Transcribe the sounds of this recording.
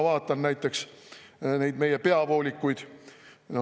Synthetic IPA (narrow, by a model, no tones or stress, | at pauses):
vɑːt̪ˑːɑnnæjt̪ːˑe̞ks | ne̞jd̪me̞je̞pe̞ɑvo̞ːlʲikːujd̪̥n